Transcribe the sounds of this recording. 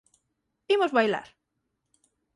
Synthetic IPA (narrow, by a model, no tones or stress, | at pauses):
bimozβajla̰ɾ